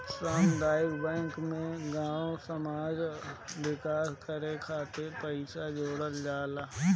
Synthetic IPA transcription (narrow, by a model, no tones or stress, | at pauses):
saːmd̪aːɪbbɛ̃ːŋkmẽɡãːõsəmaːd͡ʒwɪkaːskəɾekʰaːt̪epəɪsad͡ʒoːɽəld͡ʒaːlaː